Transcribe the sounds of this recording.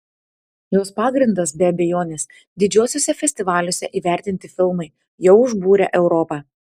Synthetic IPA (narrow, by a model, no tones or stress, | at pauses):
joːspɑːɡɾʲɪnd̪ɐsbʲɛɐbʲɛjoːnʲeːs | d̪ʲɪd͡ʒʲuːsʲoːsʲɛfʲɛsʲt̪ʲɪʋɑːlʲʊsʲɛʔiːʋʲæˑɾʲt̪ʲɪnʲt̪ʲɪfʲɪlˠmɐɪ | jɛʊʊʒbuːɾʲɛ̰ʔɛʊɾɔpɑː